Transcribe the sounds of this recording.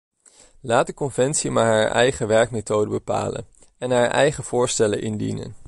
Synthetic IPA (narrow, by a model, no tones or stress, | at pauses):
laːt̚dəkɔnvɛntsimaːɹɦaːɹʔɛ̰jχəʋɛɹk̚metowdəbəpa̰ːlə̰n | ɛnɦaːɹʔɛ̰jχəv̥ʊːɹstɛlənʔɪndḭnə̰n